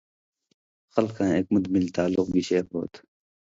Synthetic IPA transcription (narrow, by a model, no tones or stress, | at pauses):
xʌlkʰãːeːk̚mʊd̪milt̪aːlːʊq̚ɡiɕeːɾbo̰ːt̪